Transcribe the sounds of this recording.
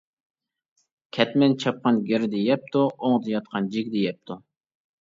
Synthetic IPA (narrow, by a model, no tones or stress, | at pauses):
kʲʰɛt̪mɛnt͡ʃʰɑp̚qɑnɡʲeɾd̪ejɛp̚t̪ʰuoŋd̪ɨjɑt̪̚qʰɑnd͡ʒikʲd̪ejɛp̚t̪ʰu